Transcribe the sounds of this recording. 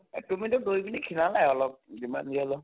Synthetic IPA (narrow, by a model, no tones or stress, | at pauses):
tumidʊdojbinikʰinalajɔlɔp̚dima̰niɔlɔ